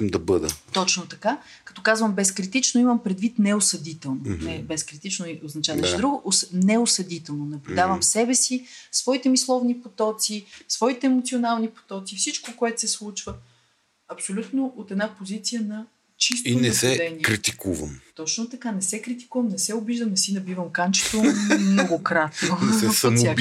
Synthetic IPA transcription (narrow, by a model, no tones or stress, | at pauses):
md̪ɐbɤd̪ə̰t̪ɔt͡ʃnot̪ɐka | kɐ̥t̪ɔkazvəmbɛskɾit̪it͡ʃnoiməmpɾɛd̪vit̪nɛosɐd̪it̪ɛlˠnonɛbɛskɾit̪it͡ʃnoiʔoznɐt͡ʃad̪ɐʃɛd̪ɾuɡʊʔsnɛosɐd̪it̪ɛlˠnonɐblʲʊd̪avəmsɛbɛsisvɔit̪ɛmislˠɔvnipot̪ɔt̪sisvɔit̪ɛɛmot̪sionalˠnipo̥t̪ɔt̪sifsit͡ʃkokoɛt̪sɛslˠut͡ʃvə | ɐpsolʲut̪noʔot̪ɛd̪napozit̪sijənɐ | t͡ʃist̪inɛsɛd̪ɛniɛɾit̪ikuvə̰mt̪ɔt͡ʃnot̪ɐkanɛsɛkɾit̪̬i̥kuvəmnɛsɛobiʒd̪əmnɛsinɐbivəmkant͡ʃɛ̥t̪omnoɡokɾat̪noɛsmsʲa